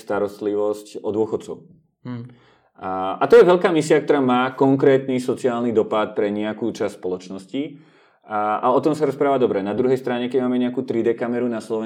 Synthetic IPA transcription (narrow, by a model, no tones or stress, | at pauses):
st̪aɾɔst̪liʋɔscɔd̪ʊɔxɔt̪t͡sɔʊ | ʔat̪ɔjɛʋɛʎkaːmisiakt̪ɔɾaːmaːkɔŋkɾɛːt̪nisɔt͡siaːlnid̪ɔpat̪̚pɾɛɲɛakuːt͡ʃasspɔlɔt͡ʃnɔsci | a̰ɔt̪ɔmsaɾɔspɾaːʋaːd̪ɔbɾɛnad̪ɾuɦɛjst̪ɾaɲɛkɛɟmaːmɛɲɛakuːt̪ɾid̪ɛkamɛɾunaslɔʋɛ